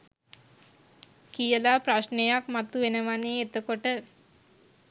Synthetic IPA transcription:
kijəlapɾaʃnejakmat̪uenəʋaneet̪əkoʈə

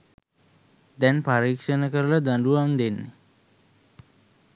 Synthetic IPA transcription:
d̪ɛnpaɾiːkʂənəkəɾəlad̪aɳɖuʋand̪enːe

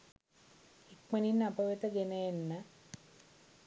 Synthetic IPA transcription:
ikməninːapəʋet̪əɡenəjenːə

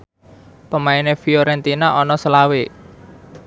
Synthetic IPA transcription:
pəmaɪnefioɾɛnt̪inaʔɔnɔsəlawe

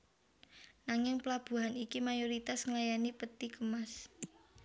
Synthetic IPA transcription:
naŋɪŋpəlab̥ṳɦanikimajoɾit̪asŋlajanipət̪ikəmas

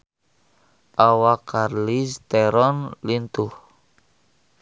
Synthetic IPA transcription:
ʔawakarlist̪ɛɾɔnlint̪uh

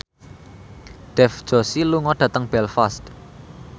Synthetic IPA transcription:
ɖ̥ɛfd̥ʒ̥o̤siluŋɔɖ̥ä̤t̪əŋb̥ɛlfast̪

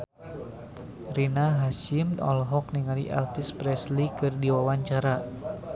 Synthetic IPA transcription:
rinaɦaʃimɔ̰lɦɔk̚niŋaliʔɛ̰lfispɾɛslikɨrdiwawaɲt͡ʃaɾa

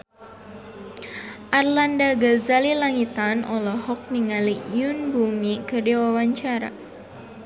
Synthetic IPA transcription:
ʔarlandaɡazalilaŋit̪anʔɔlɔhɔk̚niŋalijunbumikədewawaɲt͡ʃaɾa̰

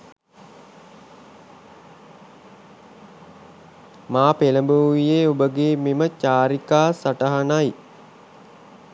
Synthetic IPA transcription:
maːpeləmbuwʋijeːubəɡeːmimət͡ʃaːɾikaːsaʈəɦanaj

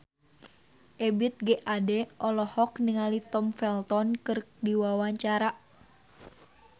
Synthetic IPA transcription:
ʔɛbit̪̚ɡɛʔadɛʔɔlɔhɔkniŋalit̪ɔmfɛlt̪ɔnkɨrdiwawaɲt͡ʃaɾaʔ

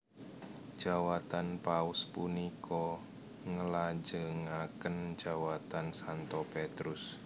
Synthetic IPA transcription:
d͡ʒ̥a̤wat̪anpaʊspunikʰɔ | ŋəlad͡ʒəŋakənd͡ʒ̥a̤wat̪ansant̪ɔpet̪ɾʊs

